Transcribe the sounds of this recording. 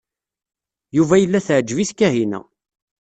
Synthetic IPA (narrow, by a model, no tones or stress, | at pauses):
juvæjəlːæθʕd͡ʒviθkːæɦinæ̰